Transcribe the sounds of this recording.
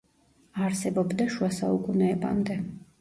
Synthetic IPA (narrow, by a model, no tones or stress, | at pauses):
aɾsɛbɔbd̪aʃuasaukʼunɛːba̰md̪ɛ